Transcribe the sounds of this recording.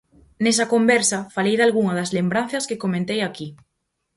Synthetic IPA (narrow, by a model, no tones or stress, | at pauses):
nesɐkombɛɾsɐfalejðalɣuŋɐðɐzlembɾan̟θɐskekomẽnt̪ejaki